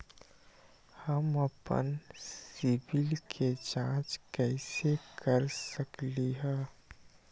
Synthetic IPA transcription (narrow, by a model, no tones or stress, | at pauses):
həmɐpə̰nsɪbɪlkʰet͡ʃãːt͡ʃkɛːsekəɾsəkliɦɛ̃ː